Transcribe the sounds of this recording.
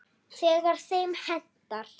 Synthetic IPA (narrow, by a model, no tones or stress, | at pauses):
sɛːðaɾ̥sejmhɛnt̪al̥